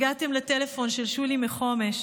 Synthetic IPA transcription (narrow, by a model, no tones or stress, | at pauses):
ɡat̪e̞mletelefo̞nʃelʃulimeχo̞me̞ʃ